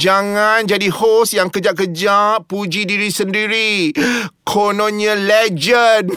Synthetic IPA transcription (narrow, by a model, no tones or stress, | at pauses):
d͡ʒaŋãnd͡ʒadihosjaŋkəd͡ʒaʔkəd͡ʒaʔpːud͡ʒidiɾisəndiɾi | kʰononalɛd͡ʒən̚